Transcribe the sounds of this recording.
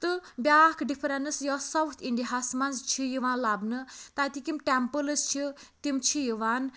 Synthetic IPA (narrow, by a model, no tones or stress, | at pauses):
t̪ɨbʲjakɖipʰɾɛnɨsjɔsɐwt̪ʰiɳɖiɦasmanzt͡ʃʰijiʋãnlabnɨt̪at̪ikimʈɛmpələst͡ʃʰit̪imt͡ʃʰijiʋan